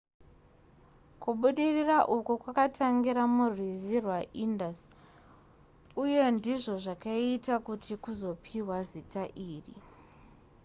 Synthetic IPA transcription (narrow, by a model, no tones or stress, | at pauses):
kuɓuɗiriraʔukukwakatʰaŋɡiɾamurwizirwaʔindas | uje̞ndiʐo̞ʐakaitakutikuzo̞pʰiwazitaʔiːrḭ